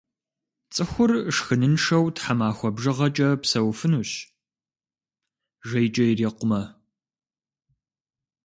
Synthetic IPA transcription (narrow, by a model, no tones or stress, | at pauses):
t͡sʼɨxʷʊrʂxɨnɨnʂɐwtħamaːxʷɔbʒɨʁɐt͡ʃʼɐpsɐwfɨnuɕ | ʒɐjt͡ʃʼɐjriːqʷʊmɐ